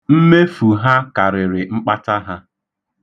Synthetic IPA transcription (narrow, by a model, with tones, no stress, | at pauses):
m̩˦me˦fu˨ɦa˦ka˨ɾɪ˨ɾɪ˨ŋ͡m̩˦k͡pa˦ta˦ɦa˦